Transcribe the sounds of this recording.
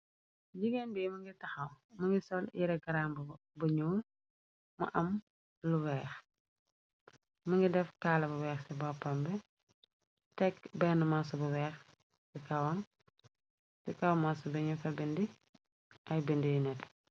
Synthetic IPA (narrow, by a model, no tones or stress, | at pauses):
d͡ʒiɡenbimɐŋɡitɐxɐwmɐŋɡisɔljiɾɛɡɐɾaːmbɐ | bɐɲuː | mɐ̰ʔɐm | luwɛːx | mɐŋɡidɛfkaːlɐbɐwɛːxsɛbɔpːɐmbɛ | tɛkbɛnəmasubɐwɛːx | sikɐwɐm | sikɐwmasubɛɲufɐbɛndi | ʔɐjbəndijinɛt